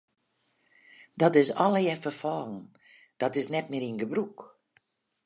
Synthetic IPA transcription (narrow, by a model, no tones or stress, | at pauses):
dɔtɪsɔləjɛfərfɔːlˠn̩ | d̥ɔtɪsnɛt̚mɪəiənɡəbruk